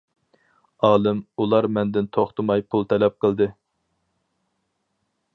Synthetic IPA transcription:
ɑːlˠɨmulˠɑɾmɛnd̪ɪnt̪ʰoχt̪ʰɨmɑjpʰulˠt̪ʰɛlɛp̚qʰəlˠd̪ɨ

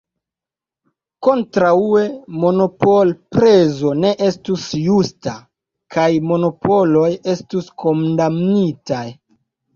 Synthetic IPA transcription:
ko̞ntɾaue̞mo̞no̞polpɾe̞zo̞ne̞ʔe̞stusjusta | kajmo̞no̞po̞lo̞je̞stuskʰomdamnitaj

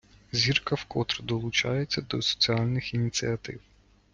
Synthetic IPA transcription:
zʲirkɐwkɔt̪ɾd̪ɔlˠʊt͡ʃɑjet͡sʲːɐd̪ɔsɔ̥t͡sʲiɑlʲnɪxinʲit͡sʲiɐt̪ɪw

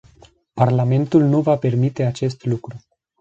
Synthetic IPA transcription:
parlame̞nt̪ulnuvape̞rmit̪e̞at͡ʃe̞st̪lukɾu

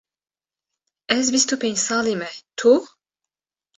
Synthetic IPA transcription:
ɛzbist̪upensalimɛt̪ʰu

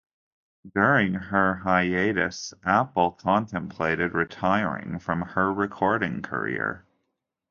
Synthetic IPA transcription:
dʊɹɪ̃ŋə˞ɦaɪeɪɾɨ̰sʔæpl̩ˠkʰɑ̃ntʰɨ̃mpʰl̥eɪɾɨd̚ɹɨtʰaɪɹɪ̰̃ŋfɹʌ̃mə˞ɹɨkʰɔɹɾɪ̃ŋkʰə̰˞ɪ̰ɹ

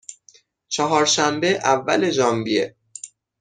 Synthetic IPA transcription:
t͡ʃʰɒɦɒːɾʃæmbeʔævːæ̰le̞d͡ʒɒːmbiḛ

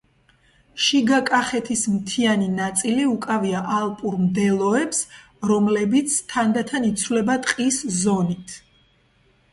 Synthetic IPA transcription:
ʃiɡakʼaχɛt̪ʰismt̪ʰianinat̪sʼiliukʼaviaʔalˠpʼuɾmd̪ɛlˠɔɛps | ɾɔmlɛbit̪sʰt̪ʰand̪at̪ʰanit̪sʰwlɛbat̪ʼqʼiszɔnit̪ʰ

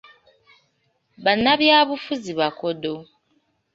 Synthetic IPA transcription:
βanːaβjaːβufuziβakodo

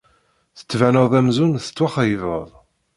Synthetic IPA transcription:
θə̥t͡sːvænəðˤæmzunθə̥t͡sːwaχæjəvəðˤ

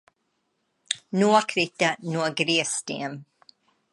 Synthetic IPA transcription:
nuəkʰɾit̪ənuəɡɾiəstḭəm

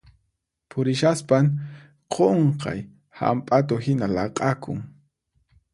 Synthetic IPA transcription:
pʰʊɾɪʃaspaŋ | qʰoɴqɑ̰j | ha̰mpʼat̪̬ohɪnalɑqʼɑkʊ̰ŋ

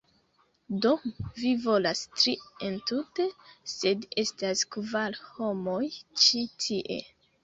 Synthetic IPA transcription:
do̞vivo̞lastɾientute̞se̞de̞staskvaɾho̞mojt͡ʃitʰiʔe̞̰

